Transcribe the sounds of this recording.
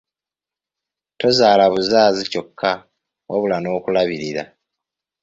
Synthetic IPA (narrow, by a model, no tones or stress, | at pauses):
to̞zaːlaβuzaːzico̞kʰːa | woβulano̞ːkulaβiɾiɾa̰